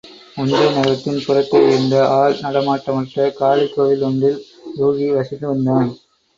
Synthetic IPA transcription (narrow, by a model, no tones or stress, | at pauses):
ʊnd̪ɐɪnɐɾɐt̪ːɪnpʊrɐkːɐɪɪnd̪ɐʔaːlnɐɽɐmaːʈːɐmɐʈrɐkaːɭɪkːoːʋɪlɔɳdɪl | ɾuːɣiʋɐsɪnd̪ɯʋɐnd̪aːn